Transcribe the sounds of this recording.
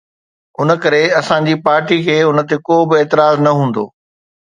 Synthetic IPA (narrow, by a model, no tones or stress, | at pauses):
ʊnə̆kɐɾeɐsãɲd͡ʑiːpaːɾʈikʰeːʊnt̪ekoːbɪeːt̪ɪɾaːznɐɦũːn̆d̪o̰ː